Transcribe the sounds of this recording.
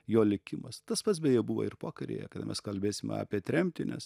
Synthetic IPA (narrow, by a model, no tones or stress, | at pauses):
joːlʲɪkʲɪmɐst̪ɐspɐt̪s̬bʲɛjɛbuʋɐ̰ɪrpɑːkɐɾʲḛːjɛ̰kɐd̪ɐmʲɛ̰skɐlʲbʲeːsʲɪmʲɛ̰ɑ̰ːpʲiɛt̪ʲɾʲɛmʲt̪ʲɪnʲɛ̰s